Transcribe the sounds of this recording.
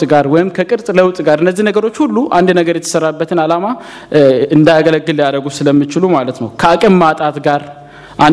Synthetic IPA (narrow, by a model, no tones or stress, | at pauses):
ɡaɾwɔjɪmkʰəkʼɨɾsʼləwt̪ʼɡaɾɨnːəzːihnəɡəɾo̞t͡ʃːhulːuʔand̪nəɡəɾjɛt̪ʰə̥sərːabːət̪ʰɨnalama | ɨnd̪ajaɡələɡːɨlːijaɾəɡusɨləmːɨt͡ʃɪlumalət̪nəwkʰəakʼɨmːat̪ʼat̪ɡaɾ | ʔa